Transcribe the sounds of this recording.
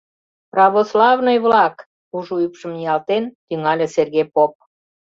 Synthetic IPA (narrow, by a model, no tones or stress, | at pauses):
prɑβoslɑvnojβlɑk | uʒuypʃəmjɑlt̪ent̪yŋɑlʲeserɣepop̚